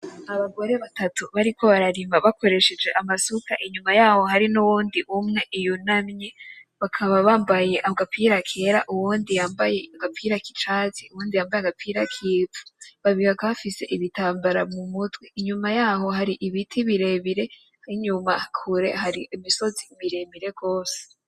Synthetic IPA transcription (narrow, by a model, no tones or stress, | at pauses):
aβaɡo̞ɾe̞βatatuβaɾikʰo̞βaɾaɾiːmaβakʰo̞ɾe̞ʃed͡ʒe̞ʔamasukaʔiɲumajaːho̞ɦaɾinuwuːndiʔumŋe̞ʔijunamɲe | βakʰaβaβaːmbaje̞ʔaβɡapʰiɾakʰe̞ɾaʔuwuːndijaːmbajeɡapʰiːɾaki̥t͡ʃaːziuwuːndijaːmbajeɡapʰiɾakʰiːtʰu̥βaβiɡakafise̞̰ʔiβitaːmbaɾamumutɡwiiɲumajaːho̞ɦaɾiʔiβitʰiβiɾe̞βiɾe̞ | haiɲumakʰuɾe̞̰haɾiʔimiso̞ziːmiɾe̞βiɾe̞ɡo̞ːse̥